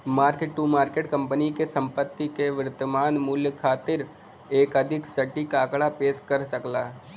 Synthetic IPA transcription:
maːɾkeʈʈuːmaːɾkeːʈkə̃mpənikesə̃mpət̪ːikeʋɪɾɪt̪ːəmaːnmʊljkʰaːt̪ɪɾ | eːkɐd̪ʱɪksɐʈːikaːkɽapeːʃkəɾsɐklaː

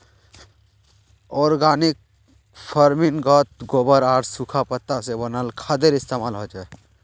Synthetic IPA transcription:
ɔːɾɡaːnik̚ | pʰəɾminɡɔt̪̚ɡoːbəɾaːɾsukʰapət̪ːasebənalkʰad̪eɾɪst̪eːmaːlɦod͡ʒae

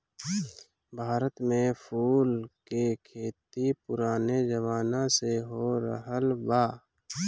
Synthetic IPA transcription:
bʱaːɾət̪mẽpʰuːlkekʰeːt̪ipʊɾaːned͡ʒəʋaːnãseɦoɾə̰ɦəlbaː

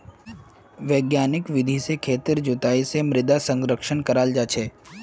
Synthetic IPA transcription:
ʋeːɡjaːnɪkʋɪd̪ʱisekʰeːt̪ɪɾd͡ʒʊt̪aːisemɾɪd̪asə̃ŋɡɾəkʃənkəɾaːld͡ʒaːt͡ʃʰeː

